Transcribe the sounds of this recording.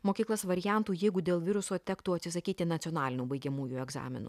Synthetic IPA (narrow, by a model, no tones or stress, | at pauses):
moːkʲiːklˠɐsʋɐɾʲɪjæˑnt̪uːjɛɪɡʊd̪ʲeːlˠʋʲɪɾʊsoːt̪ʲɛkt̪uːɐt̪ʲsʲɪsɐkʲiːt̪ʲɪnɐt̪ʲoːnɑːlʲɪnʲuːbɐɪɡʲɛmuːjuɛɡzɑ̰ːmʲɪ̰nṵ